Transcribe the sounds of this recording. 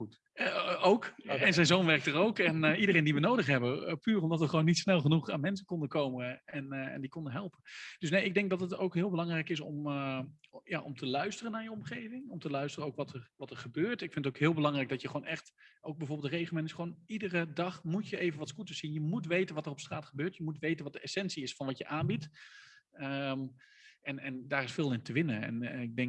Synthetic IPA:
owkɛnzɛjnzonʋɛrk̚tərowkɛnidərejndiʋənowdəχɦɛbəpyːrɔmdɑtʋəχʋownːitsnɛlˠχənuχaːnmɛnsənkɔndəkowməɛnɛ̰ndikɔndəɦɛlˠpənd̥øsnejɪɡ̚dɛŋk̚dɑtəto̰wkɦɪːlˠbəlɑŋrɛjkɪsɔ̰m | jaʔɔ̰mtʰəlœɥstərənaːɹjəɔmχejvɪŋɔmtəlœɥstərəowkʋɑtʰərʋɑtəɹχəbøːɹtɪkfɪndətoʊkɦɪːlˠbəlɑŋrɛjɡ̚dɔtjəχəownɛχtowk̚bɛjvoːbɪl̩ˠdərejχəl̩ˠmɛntɪsχəʋownidərədɑχmutjəʔejvənʋɑtskutəsinjəmutʋejtənʋɑtərɔpstraːtχəbøːɹtjəmutʋejtənʋɑt̚dəɛsɛnsiɪsfɑnʋɑtjəʔaːnbit | ə | ɛnɛndaːrɪsfɪːlˠɪntəʋɪnəɛ̰nɪɡ̚dɛŋ

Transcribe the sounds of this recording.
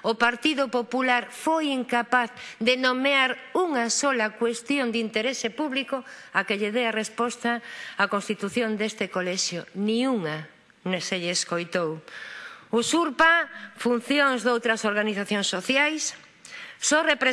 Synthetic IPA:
opaɾt̪iðʊpopulaɾfojiŋkapaθd̪enomeaɾuŋasɔlakwest̪jond̪int̪eɾesepuβlikʊakeʎeðearespɔst̪aːkõnst̪it̪uθjond̪est̪ekolɛʃjʊnĩuŋa | neseʎːskojt̪ow | ʊsuɾpafun̟θjoŋzd̪owt̪ɾɐsoɾɣaniθaθjõŋsːoθjajsː | ɔrepɾe

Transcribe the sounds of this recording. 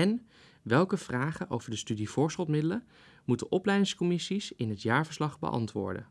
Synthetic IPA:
ɛn | ʋɛlˠkəv̥raːχəʔo̰wv̥əɹdəstydivʊːɹsχəlˠtmɪdələ | mutəʔɔplɛjdɪŋskomɪsisɪnətjaːɹvəɹslɑχbə̰ʔɑ̰ntʋʊ̰ːɹdə̰

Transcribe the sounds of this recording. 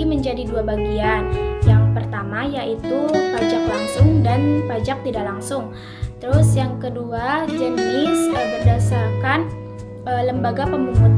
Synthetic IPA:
iməɲd͡ʒadiduabaɡianjaŋpərt̪amajaʔit̪upad͡ʒaklaŋsʊŋdanpad͡ʒak̚t̪idaʔlaŋsʊŋ | t̪əɾʊsjaŋkəduad͡ʒənɪsəbərdasarkan | ələmbaɡapəmbuŋʊt̪

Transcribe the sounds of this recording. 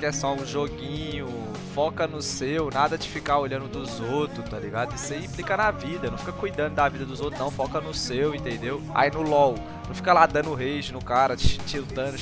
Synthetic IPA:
kɛsɔũʒoɡĩɲʊ | fɔkɐnʊsewnad̪ɐd͡ʒɪfikaoʎɐ̃nd̪ʊd̪ʊzowt̪ɾʊst̪aliɡad̪ʊɪseĩplikɐnɐvid̪ɐnɐ̃w̃fikɐkujd̪ɐ̃nd̪ʊd̪avid̪ɐd̪ʊzowt̪ɾʊznɐ̃w̃fɔkɐnʊsewẽnt̪ẽnd̪ew | a̰inʊlɔw | nɐ̃w̃fikɐlad̪ɐ̃nʊɦejʒʊnʊkaɾɐt͡ʃiwt̪ɐ̃d̪ʊ

